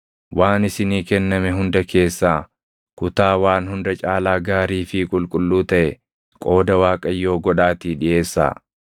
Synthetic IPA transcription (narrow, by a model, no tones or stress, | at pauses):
waːnɪsɪniːkɛnːɐmɛɦʊnd̪ɐkʰe̞ːsːaː | kʊt̪aːwaːnhʊnd̪ɐt͡ʃʼaːlaːɡaːɾiːfɪkʼʊlkʼʊlːuːt̪ɐʔɛ | kʼo̞ːd̪ɐwaːkʼɐjːo̞ːɡɔᶑaːt̪iːᶑɪʔe̞ːsːa̰ː